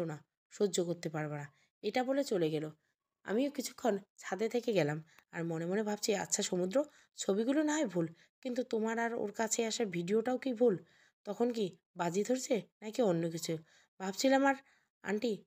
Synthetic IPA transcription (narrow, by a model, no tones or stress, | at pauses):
ona | ʃoːokoɾt̪epaɾbena | eʈabolet͡ɕoleɡɛlo | a̰miokit͡ɕʰu̥kʰːont͡ɕʰad̪et̪ʰekeɡɛlama̰ɾmonemonebʱabt͡ɕʰia̰tːɕʰaʃomud̪ɾo | t͡ɕʰobiɡulonaɦejbʱul | kint̪ut̪omaɾaɾo̰ɾkat͡ɕʰeaʃaɾbʱiɖioʈaokibʱul | t̪ɔkʰonki | bad͡ʑid̪ʱoɾt͡ɕʰenakionːokit͡ɕʰu | bʱabt͡ɕʰilamaɾ | a̰ɳʈi